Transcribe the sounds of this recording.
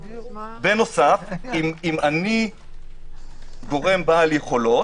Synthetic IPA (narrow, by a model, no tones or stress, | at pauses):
beno̞safimimani | ɡo̞ʁembaːljeχo̞lo̞